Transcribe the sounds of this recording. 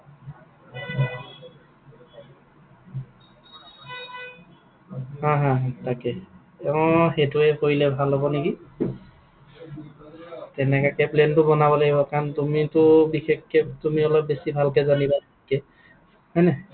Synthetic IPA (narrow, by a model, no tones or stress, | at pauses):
hãɦãtakɛ | ɛʊ̃xetuɛpoɹilɛbʱalɦɔbɔneki | tɛnɛkakɛplentʊbɔnabɔlaɡibɔkaɹntumitʊbixekːɛtumiɔlɔp̚besibʱalkɛzaniba | kɛ | hɔjnɛ